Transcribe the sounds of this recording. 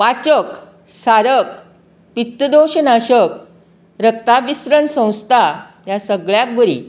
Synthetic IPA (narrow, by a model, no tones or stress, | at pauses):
ʋat͡ɕək | saɾək | pit̪ːəd̪oɕənaɕək | ɾəkt̪aʋisɾənsə̃w̃st̪ʰajasəɡɭjak̚bəɾḭ